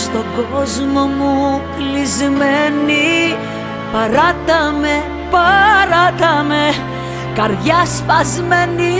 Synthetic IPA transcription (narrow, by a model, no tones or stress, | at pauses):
st̪o̞ɡozmomuklizmeni | pɐɾɐt̪ɐme | pɐɾɐt̪ɐme | kɐɾʝɐspɐzmeni